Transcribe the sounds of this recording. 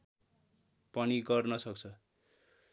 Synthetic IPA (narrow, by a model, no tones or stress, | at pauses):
pʌniɡʌrnʌsʌkt͡sʰʌ